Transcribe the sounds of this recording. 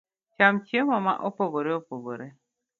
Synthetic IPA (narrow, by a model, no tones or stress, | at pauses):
t͡ʃamt͡ʃiemama̰ʔopoboɾeopoɡoɾe